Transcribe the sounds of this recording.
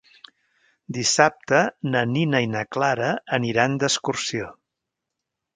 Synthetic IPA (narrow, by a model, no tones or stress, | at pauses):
d̪isap̚t̪ənəninəinəklaɾəːniɾand̪əskursio